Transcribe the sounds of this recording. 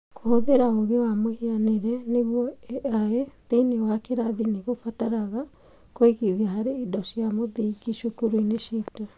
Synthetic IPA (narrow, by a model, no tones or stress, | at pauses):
kʰohoðeɾaoɣewamohianeɾɛneɣwɔeaeteinewakeɾaðineɣofataɾaɣa | koiɣiðiahaɾeidɔʃijamoðiɡiʃukuɾuineʃita